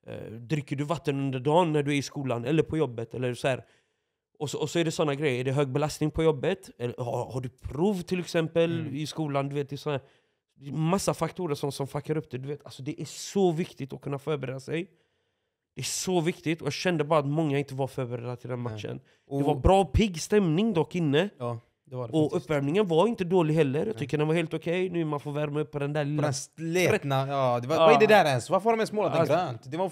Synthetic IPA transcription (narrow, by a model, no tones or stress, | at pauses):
d̪ɾɪkːəɖɵvat̪ːənɵnd̪əɖɑːnːæɖɵæɾɪskuːlanɛlːəɾpʰɔjɔbːət̪ʰɛlːəɾsɔhæːɾ | ɔsɔɔsɔæɖɛsɔnːaɡɾɛjːəɾæɖɛɦøːɡ̚bɛlast̪nɪŋpʰɔjɔbːət̪ɛlːəhahaɖɵpʰɾuːvt̪ʰɪlɛksɛmpəlɪskuːland̪ɵveːt̪̚d̪ɛːsɔnæːɾ | d̪ɛmasːafakt̪ʰuːɾəʂɔmʂɔmfakːaɾɵp̚d̪ɛd̪ɵveːt̪ʰalsɔd̪ɛʔæɾsɔvɪkt̪ɪt̪ɔkʰɵnːafœːɾbɛɾeːd̪asɛj | d̪̥ɛæʂɔvɪkt̪ɪt̪ɔjɑːɡɕɛnd̪əbɑːɾat̪mɔŋːaɪnt̪əvaɾfœɾbɛɾeːd̪at̪ʰɪld̪ɛnmaʃə̰n | dɛvaɾbɾɑːpʰɪɡːst̪ɛmnɪŋd̪ɑːkɪnːə | d̪ɛɔɵvæɾmnɪŋənvaɾɪnt̪əd̪oːlɪɡɦɛlːəɾjɑːt̪ʏkːəɖ̪ɛnvaɾheːlt̪ʊkʰɛjnʉ̟ːɾmanfoːɾvæɾmɵpʰːɔd̪ɛnd̪æːɭɪlːsleɾɛnad̪ɛvavaɪd̪ɛd̪æɾɛnsvaɾfɔɾɔmɛsmoːlad̪ɾøːnt̪d̪ɛva